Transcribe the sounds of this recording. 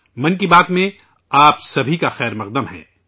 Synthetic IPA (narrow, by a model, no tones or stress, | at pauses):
mɐ̃nkibaːt̪mẽ | aːpsɐbʱikaxɛːɾmɐq̚d̪əmɦɛ̰̃ː